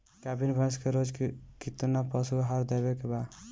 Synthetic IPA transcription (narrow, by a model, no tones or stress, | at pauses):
kabinbʱãskeɾod͡ʒkit̪unapɔsuɦaɾd̪ebekeba